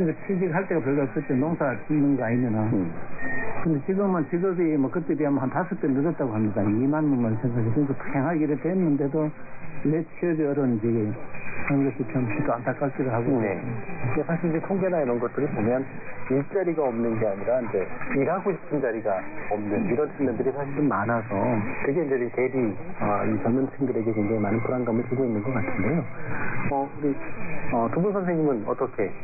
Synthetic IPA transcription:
kɯɾisʰatʰid͡ʑiɡɦaɭt͈e̞ɡapjʌɭɡakɯt͈enoŋsʰat͡ɕinnːɯŋɡʌaɲinɯna | kɯnd̪et͡ɕiɡɯmant͡ɕiɡʌɡimʌkɯt̪͈ebiɦamanɦantas͈ʰɯk̚t͈emidʌt͈̚aɡoɦamɲidaimanmɯnɡʌnsʰeŋsʰaɡikɯnsʰopʰeŋɦaɡiɾɯt̪wenːɯnde̞do | net͡ɕʰiʌɡiʌɾʌnd͡ʑeɡkɯɾʌnɡʌɕʰit͡ɕʰʌmkit̪͈ʰoantʰak͈aɭ̚k͈idoɦaɡojḛekʰaɕʰid͡ʑetʰoŋɡenaiɾʌnɡʌt͈̚ɯɾɯpomjʌn | iɭt͡ɕ͈aɾiɡaʌmnɯnɡe̞aɲiɾaind͡ʑe̞iɾɦaɡoɕʰi̥pʰɯnd͡ʑaɾiɡaʌmnɯniɾʌnsʰinandɯɾisʰaɕʰiɾɯnmanasʰʌtɯɡe̞ind͡ʑete̞ɾiʌt͡ɕʌɭmɯnt͡ɕʰiŋdɯɾe̞ɡekeŋd͡ʑaŋimanɯnpʰuɾanɡamɯɭpuɡoinːɯnɡʌk͈atʰɯnde̞jo | ʌuɾiʌtubunsʰʌnsʰeŋɲimɯnʌ̰t͈ʌkʰe̞

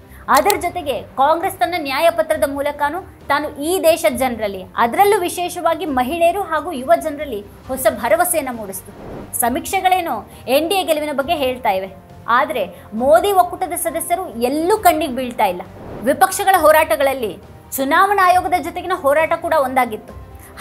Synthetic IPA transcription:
ɐd̪ɐɾɐd͡ʒɔt̪e̞ɡe̞kaːŋɡɾest̪ɐnːɐnjaːjɐpɐt̪ɾɐd̪ɐmuːlɐkaːnuː | t̪aːnuʔiːd̪ɛːʃɐd͡ʒɐnɾɐlːiɐ̰d̪ɐɾɐlːuʋiʃɛːʃɐʋaːɡimɐɦiɭɛejɐɾuɦaːɡuːiʋɐd͡ʒɐnɾɐlːi | hɔsɐbʱɐɾɐʋɐsɛjɐnːɐmuːɽist̪usɐmikʂɐɡɐɭeːnu | eɳɖieɡelɐʋinɐbɐɡːe̞ɦe̞ːɭt̪aːjiʋe̞ | aːd̪ɐɾe̞ | moːd̪iʋokːuʈɐd̪ɐsɐd̪ɐsjɐɾuelːukɐɳɖiɡbiːɭt̪aːjilːɐ | ʋipɐkʂɐɡɐɭɐɦɔːɾaːʈɐɡɐɭɐlːi | t͡ʃunaːʋɐɳaːjɔːɡɐd̪ɐd͡ʒɔt̪eɡenɐɦɔːɾaːʈɐkuːɽɐo̞nd̪aːɡit̪ːu̥

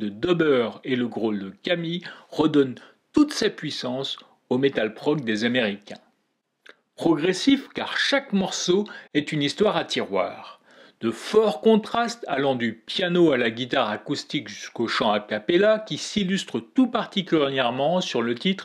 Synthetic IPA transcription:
d̪əd̪ɔbœʁeləɡʁold̪əkamiʁəd̪ɔn | t̪ut̪sɛpɥisɑ̃s | omet̪alpχɔk̚d̪ezameʁikʲɛ̃ | pχɔɡʁesifkaʁʃakmɔʁsoɛt̪ynist̪waʁat̪iʁwa̰ːʁ | d̪̥əfɔʁkɔ̃t̪χast̪alɑ̃d̪ypjanoalaɡʲit̪aʁakust̪ikʒyskoʃɑ̃akapelakʲisilyst̪χət̪upaʁt̪ikʲylʁjɛʁmɑ̃syʁlət̪it̪χ

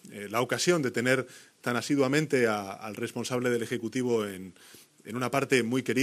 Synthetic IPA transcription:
lao̞kasjo̞nd̪e̞t̪e̞ne̞ɾt̪anasiðwamẽ̞nt̪e̞aalre̞spo̞nsaβle̞ð̞e̞le̞xe̞kut̪iβ̞oen | ḛnunapaɾt̪e̞mujke̞ɾi

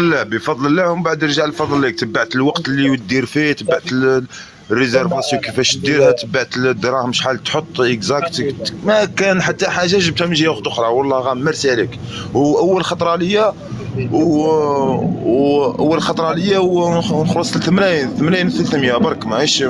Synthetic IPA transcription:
lːæbəfɑd̪ˤləlːæmbaʕd̪əɾʒaʕlfɑd̪ˤlːik̚t̪əbːaʕt̪əlwɑqt̪liwt̪̚d̪ːiɾfit̪əbːaʕt̪ə | rːizæɾfɑsjuwkəfæʃt̪̚d̪iɾhæt̪əbːaʕt̪əld̪ːɾˤɑhməʃħalt̪ħot̪ˤːʔəkzækt̪mækænħat̪ːaħaʒːaʒəb̚t̪hæmənʒijæwxt̪ʔʊxɾˤɑwɑlˤːɑhɣæmːəɾsiʕlik | wʔæwːəlxɑt̪ˤɾˤɑʕləjːæ | w | ʔə̰wːəlxɑt̪ˤɾˤɑʕləjːawnəxlɑsˤlt̪əmnæjnθəmnæjnəθəlt̪mjæbɑɾˤkmæiʃ

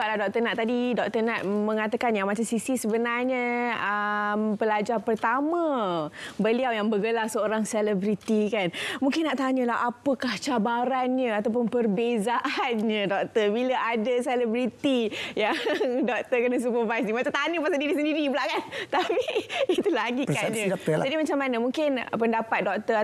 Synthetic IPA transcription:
aʔlahdɔk̚t̪ənaʔt̪adidɔk̚t̪ənat̪̚mə̃ŋat̪akanjaŋmat͡ʃamsisisəbənarɲəəmpəlad͡ʒarpərt̪amə̃ | bəliawjaŋbəɡəlasəoɾaŋsɛlɛbɾit̪ikanmũŋkɪnːaʔt̪aɲəlaɦapəkaht͡ʃabaɾanɲə̃at̪awpʊnpərbezaʔanɲə̃dɔk̚t̪əbiləʔadəsɛlɛbɾit̪ijaŋdɔk̚t̪əkənəs̬upərvajs̬nimat͡ʃat̪anəpasadiɾis̬əndiɾibəlaʔkant̪apiːt̪ulaɡipəkɲə̃apd͡ʒadimat͡ʃamːanamũŋkɪnpəndapat̪̚dɔk̚t̪əa

